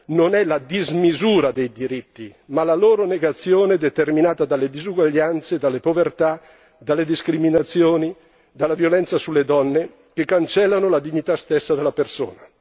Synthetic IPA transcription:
nonɛlad̪izmizuːɾad̪ejd̪iɾit̪ːimalaloːɾoneɡat̪sːjoːned̪et̪erminaːt̪ad̪alːed̪izuɡwaʎːant̪sed̪alːepovert̪a | d̪alːed̪iskɾiminat̪sːjoːni | d̪alavjolɛnt̪sasulːed̪ɔnːe | kekːant͡ʃɛlːanolad̪iɲːit̪ast̪esːad̪elapersoːna

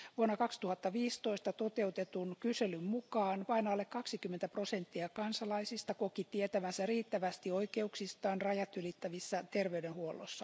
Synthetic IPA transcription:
ʋuonːɑkɑkst̪uhɑt̪ːɑʋiːst̪oist̪ɑt̪ot̪eut̪et̪unkyselymmukɑːnʋɑinɑːlːekkɑksikymːent̪æprosent̪ːiɑkɑnsɑlɑisist̪ɑkokit̪iet̪æʋænsæriːt̪ːæʋæst̪ioikeuksist̪ɑːnrɑjɑt̪ylit̪ːæʋisːæt̪erʋeydenhuolːo̰sːɑ

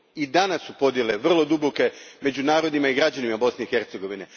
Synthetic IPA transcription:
id̪anasːupo̞d̪je̞leʋr̩lˠo̞d̪uboke̞me̞d͡ʑunaːɾo̞d̪nimaiɡɾad͡ʑanimabo̞sne̞ixe̞ɾt̪se̞ɡo̞ʋine̞

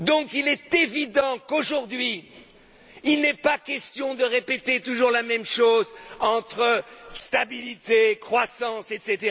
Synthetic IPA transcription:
d̪ɔ̃kilɛt̪evid̪ɑ̃koʒuʁd̪ɥi | ilnɛpakʲɛst̪jɔ̃d̪əʁepet̪et̪uʒuʁlamɛmʃozɑ̃t̪χəst̪abilit̪ekχwasɑ̃sɛt̪set̪eʁ

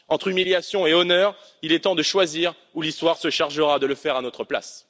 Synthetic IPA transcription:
ɑ̃t̪χymiljasjɔ̃eɔnœːʁilɛt̪ɑ̃d̪əʃwaziʁ | ulist̪waʁsəʃaʁʒəʁad̪ələfɛʁanɔt̪χəpla̰s

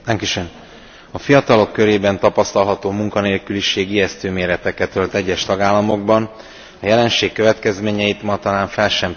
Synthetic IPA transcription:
ɛŋkiʃøn | ɒfijɒt̪ɒlo̞kːø̞ɾeːbɛnt̪ɒpɒst̪ɒlɦɒt̪oːmuŋkɒneːlkyliʃeːɡiɛst̪øːmeːɾɛt̪ɛkɛt̪ølt̪ɛɟːɛʃt̪ɒɡaːlːɒmo̞ɡ̚bɒn | ɒjɛlɛnʃeːkːøvɛt̪kɛzmeːɲɛjit̪mɒt̪ɒlaːɱfɛlʃɛm

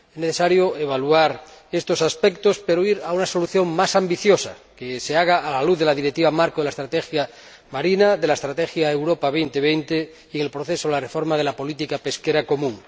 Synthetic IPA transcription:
ezneθesaɾjoeβ̞aluaɾest̪o̞saspek̚t̪ospeɾoiɾaunaso̞luθjo̞ŋmasambiθjo̞sa̰keseaɣ̞aːlaluððelaðiɾekt̪iβamaɾkoðelaest̪ɾat̪exja | maɾinaðelaest̪ɾat̪exjaewɾopaβ̞ejnt̪eβ̞ejnt̪e | ieŋelpɾoθe̞soelarefo̞ɾmað̞e̞lapo̞lit̪ikape̞skeɾako̞mũŋ

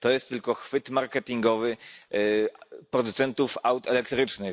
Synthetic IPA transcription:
t̪ɔjɛst̪ːɘlkɔxfɘt̪maɾkɛt̪ʲiŋɡɔvɘ | pɾɔd̪ut̪sɛnt̪ufawt̪ɛlɛkt̪ɾɘt͡ʂnɘ

